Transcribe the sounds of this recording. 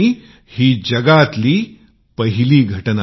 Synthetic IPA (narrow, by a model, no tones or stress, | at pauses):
i | hiːd͡ʑəɡat̪liː | pəɦiliːɡʱəʈna